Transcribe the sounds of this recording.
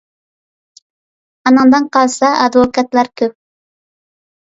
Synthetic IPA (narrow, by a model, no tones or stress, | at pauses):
ɑnəŋd̪ɨnqʰɑlˠsɑʔɑd̪vokʰɑt̪lˠɑɾkʲʰøp̚